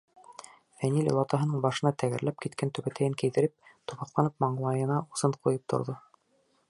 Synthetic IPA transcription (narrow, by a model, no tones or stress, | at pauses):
fænilʲṵlˠɑt̪ɑɦɤ̆nɤɴbɑʃɤ̆nɑt̪ʰæɡɘ̰̆ɾlæp̚kit̪̚kænt̪ɵ̆βæt̪ʰæjɘŋkɘ̆jðɘ̆ɾɘp̚t̪uβɑqlˠɑnɤp̚mɑɴlˠɑjɤ̆nɑusɤɴqujɤp̚t̪ʰo̰ɾðo